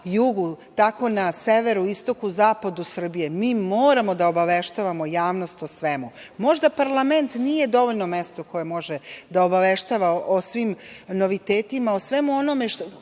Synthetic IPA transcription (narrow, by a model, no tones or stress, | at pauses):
juɡut̪ako̞naseʋeɾuist̪o̞kuzaːpad̪usr̩bije̞miːmoːɾamo̞d̪aobaʋeʃt̪aʋamojaːʋno̞st̪osʋe̞mumo̞ʒd̪apaɾlˠame̞nt̪nije̞d̪o̞ʋoʎno̞me̞st̪oko̞jemo̞ʒed̪aobaʋeʃt̪aʋaʔosʋiːmno̞ʋit̪eːt̪imaosʋe̞muonomeʃ